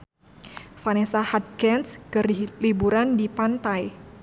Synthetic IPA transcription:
fanesahat̪̚kɛnskɨrlibuɾandipant̪aj

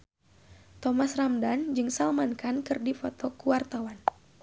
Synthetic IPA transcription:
t̪ɔmasramdand͡ʒɨŋsalmankankɨrdifɔt̪ɔkuwart̪awan

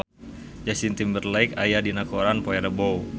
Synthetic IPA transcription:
d͡ʒasint̪imbərlaikajadinakoɾanpoɛɾəbow

